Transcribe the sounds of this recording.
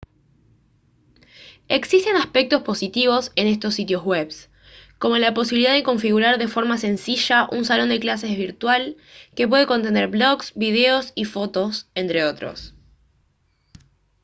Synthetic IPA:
e̞ksist̪e̞naspek̚t̪o̞spo̞sit̪iβ̞o̞se̞ne̞st̪o̞sːit̪jo̞zweβs | ko̞mo̞lapos̬iβiliðaðeko̞ɱfiɣuɾaɾðe̞fo̞ɾmase̞nsiʃaʔunsalo̞nd̪e̞klas̬e̞zβiɾt̪wal | ke̞p̬we̞ð̞eko̞nt̪e̞ne̞ɾβlo̞ɣsβið̞e̞o̞sifo̞t̪o̞se̞nt̪ɾe̞o̞t̪ɾo̰s

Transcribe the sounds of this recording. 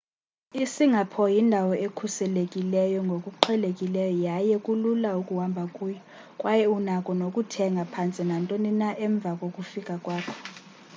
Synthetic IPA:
isiŋɡʱapʰɔjindʱawɔʔekʰusɛlekʼilɛjɔŋɡʱokʼuǃʰɛlekʼilɛjɔjajɛkʼululaukʼuwambʱakʼuːjɔ | kʼwajɛunakʼɔnokʼutʰɛŋɡʱapʰant͡sʼinantʼoninaʔɛɱb̪vʱakʼokʼufikʼakʼwaːkʰɔ̥

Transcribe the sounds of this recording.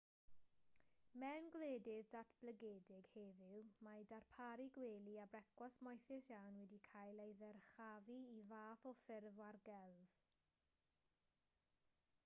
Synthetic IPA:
mɛnɡleːdɪðdatʰb̥ləɡeːdɪɡ̥heðɪwmadarpʰaɾiɡweːlˠiabrɛkʰwasmɔjθɪsjawnwɛdikʰajlejðɛrχaviivaːθɔfɪrvwarɡɛlˠv̥

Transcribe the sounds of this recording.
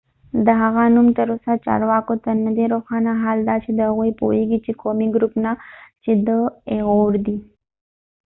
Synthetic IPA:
d̪əɦaɣanumt̪əɾosat͡ʃɑ̰ɾwɑkot̪anəd̪eɾoxɑnaɦɑld̪ɑt͡ʃed̪əhaɣujpo̰eɡit͡ʃekomiɡɾupnat͡ʃed̪əeɣoɾd̪i

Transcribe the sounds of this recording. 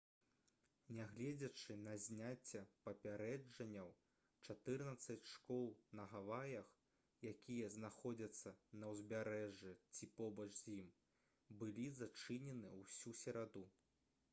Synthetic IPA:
nʲaɣlʲɛd͡zʲɐt͡ʂɨnɐzʲnʲat͡sʲːɛpɐpʲaɾɛd͡ʐɐnʲːɐw | t͡ʂat̪ɨrnɐt̪sɐt͡sʲʂkɔlˠnɐɣavajɐx | jakʲijɐznaxɔd͡zʲɐt̪sːɐnɐwzʲbʲaɾɛʐɛt͡sʲipɔbɐt͡ʂzʲjim | bɨlʲizat͡ʂɨnʲɛnɨwsʲusʲɛɾad̪u

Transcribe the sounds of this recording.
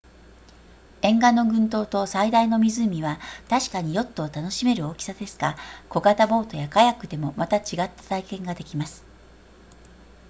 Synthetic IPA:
ẽ̞ŋɡanːo̞ɡɯ̟̃nt̪o̞ːt̪o̞said̪aino̞mʲizɨmʲiβat̪aɕi̥kaɲ̟ijo̞t̪ːo̞ːt̪ano̞ɕime̞ɾɯ̟o̞ːkʲi̥sad̪e̞sɨ̥ɡako̞ɡat̪abo̞ːt̪o̞jakajakɯ̟d̪e̞mo̞mat̪at͡ɕiɡat̪ːḁt̪aikẽ̞ŋɡad̪e̞kʲimasɨ̥

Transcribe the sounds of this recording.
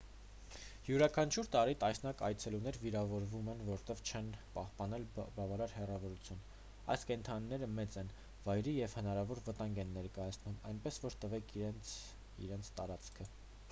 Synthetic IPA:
hjuɾɑkʰɑnt͡ʃʰuɾt̪ɑɾit̪ɑjsnɑkɑjt͡sʰɛlunɛɾviɾɑvɔɾvumɛnvɔɾt̪ɛv̥t͡ʃʰɛnpɑhpɑnɛlbɑvɑɾɑɾhɛrɑvɔɾut͡sʰjun | ɑ̰jskɛnt̪ʰɑniːɛɾəmɛt͡sɛn | vɑjɾijɛvhənɑɾɑvɔɾvət̪ɑŋɡɛnːɛɾkɑjɑt͡sʰnumɑjnpɛsvɔɾt̪əvɛkʰɛn | ḭɾɛnt͡sʰt̪ɑɾɑt͡skʰə

